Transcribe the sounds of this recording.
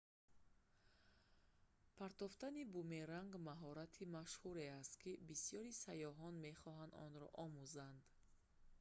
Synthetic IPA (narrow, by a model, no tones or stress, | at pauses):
pʰaɾt̪ɔft̪anibumeɾaŋɡmaɦɔɾat̪ʰimaʃhuɾe̞ast̪̚kʰibisijɔɾisajɔɦɔnme̞χɔɦand̪ɔ̰nɾɔ̰ʔɔmuzand̪